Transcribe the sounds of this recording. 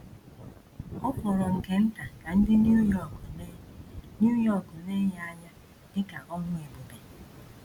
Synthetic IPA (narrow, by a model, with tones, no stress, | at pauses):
ɔ˦kʷɔ˨ɾɔ˨ŋ̩˨ke˨n̩˦ta˨ka˨n̩˦dɪ˦n˦jɔ˨˦nu˦jɔ˦˨kʊ˨ne˦ɦa˦ɲa˦ | dɪ˦ka˨ʔɔ˦ŋʷʊ˦e˨bu˨be˨